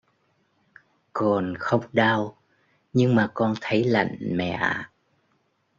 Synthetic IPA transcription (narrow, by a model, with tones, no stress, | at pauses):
kɔ˨˩nxə˧wŋ͡mɗaː˧w | ɲɨ˧ŋmaː˨˩kɔ˧nt̪ʰə˨˦jla̰˧˨jŋmɛ̰˧˨ʔa˧˨